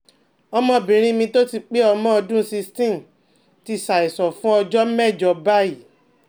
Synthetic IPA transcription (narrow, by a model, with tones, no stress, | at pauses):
ɔ˧mɔ̃˧˨bĩ˨ɾ̃ĩ˦mĩ˧to˦ti˧k͡pe˦ɔ˧mɔ̃˦ɔ˧dũ˦˧˦si˧stĩ˦˨m̩˨ | ti˧sa˨i˨sɔ˨fũ˦ɔ˧d͡ʒɔ˦mɛ˦˨d͡ʒɔ˧ba˦i˦˨